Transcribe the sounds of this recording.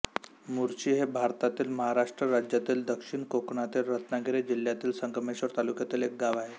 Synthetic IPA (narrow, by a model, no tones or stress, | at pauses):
muɾt͡ɕiːɦebʱaɾt̪at̪iːlməɦaɾaʂʈɾəɾad͡ʑjat̪iːld̪əkʂiɳkokɳat̪iːlɾət̪naɡʱiɾed͡ʑil̤jat̪iːlsəŋɡəmeɕʋəɾt̪alukjat̪iːlek̚ɡaʋaɦe